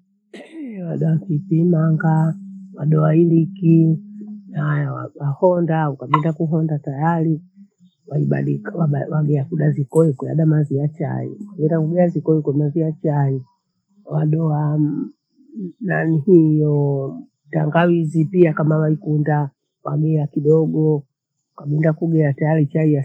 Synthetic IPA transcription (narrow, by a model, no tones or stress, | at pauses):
ɛwaɗɔafipimaŋɡawaɗɔailiki | najawawahɔndaukaɓɛndakuɦɔndatajali | waiɓa̰ɗikwaawaɡɛakuɗazikɔɛkwɛja̰ɗamaziat͡ʃa̰ḭukaɡɛndakuɡɛazikɔɛkɛmaziat͡ʃai | waɗɔa | nanihijɔ | taŋɡawizipiakamawaikunda | wa̰ɡɛakiɗɔɡɔ | ukaɓindakuɡɛatajalit͡ʃaija